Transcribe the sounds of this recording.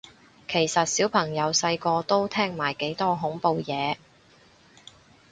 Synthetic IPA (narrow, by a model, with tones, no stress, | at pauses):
kʰe˨˩jsɐ˨t̚siː˨˥wpʰɐ˨˩ŋjɐ˨˧wsɐ˧jkɔː˧t̪o˥wt̪ʰɛː˥ŋmaː˨˩jke˨˥jt̪ɔː˥ɦʊ˨˥ŋpo˧wjɛː˨˧